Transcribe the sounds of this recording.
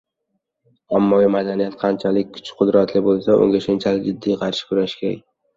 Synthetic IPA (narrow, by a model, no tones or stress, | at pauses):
amːɒɡʲɪmad̪anijat̪qʰɑnt͡ʃʰalɪk̚ʲkʰːʊ̥t͡ʃqʰʊd̪ɾat̪lɪbolˠsaʔʊ̰ŋɡʲaʃʊnt͡ʃʰalɪd͡ʒɪd̪ːijqʰɑɾʃɪ̥kʰʊɾaʃkʲʰeɾa̰